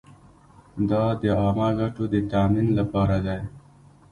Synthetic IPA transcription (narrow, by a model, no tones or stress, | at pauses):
d̪ɑd̪əɑːmaɡaʈod̪ət̪aːminlapɑːɾad̪aj